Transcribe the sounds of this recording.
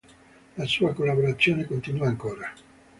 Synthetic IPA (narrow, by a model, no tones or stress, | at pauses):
lasuːakolːaboɾat̪sːjoːnekont̪inuaːŋkoːɾa